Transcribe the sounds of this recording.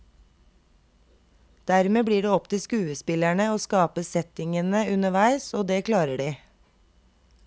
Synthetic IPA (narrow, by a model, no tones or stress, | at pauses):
d̪̥æɾmeːbliːɖeːɔpt̪ʰɪskʉːəspɪlæɳəoːskɑːpəsɛt̪ɪŋənəʉnəʋæɪsoːd̪eːkʰlɑːɾəɖiː